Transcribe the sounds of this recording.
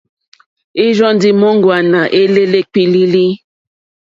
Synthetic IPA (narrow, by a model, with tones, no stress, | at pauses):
i˦ʒɔ˦n˦di˦mɔ˦ŋ˦ɡwa˨na˨ʔe˦le˦le˦k͡pi˦li˦li˦